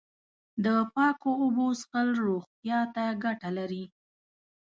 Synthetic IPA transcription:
d̪əpɑkoːbosxəlɾoxt̪jɑt̪aɡaʈalaɾi

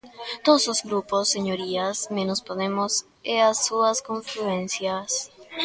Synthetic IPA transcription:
t̪ooslozɡɾuposːeɲoɾiasmenospoðemos | easuaskoɱfluensjas

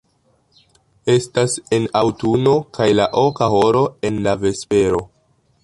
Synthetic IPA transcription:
e̞stase̞nawtuno̞kajlaʔokaɦo̞ɾo̞e̞nlave̞spe̞ɾo̞

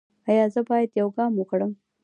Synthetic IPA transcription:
ajɑzəbɑjad̪jawɡɑmokɽəm

